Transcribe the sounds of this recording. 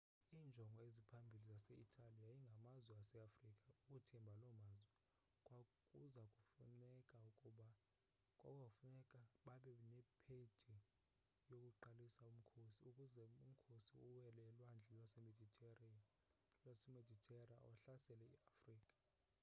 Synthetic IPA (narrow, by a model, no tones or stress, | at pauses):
iːnd͡ʒʱɔŋɡʱɔezipʰambʱilizasɛitʰʼalijajiŋɡʱamazwɛasɛafrikʼaukʼutʰɛmbʱalɔmaːzwɛ | kʼwakʼuzakʼufunɛkʼaukʼuɓa | kʼakʼafunɛkʼaɓaɓɛnɛpʰe̥d̥ʱi | jokʼuǃalisaum̩kʰosiukʼuzɛum̩kʰosiuwɛlɛlwand͡ɮʱɛlwasɛmedʱi | lwasɛmedʱitʰʼɛra̰ɔ̰ɬasɛlɛḭafriːkʼḁ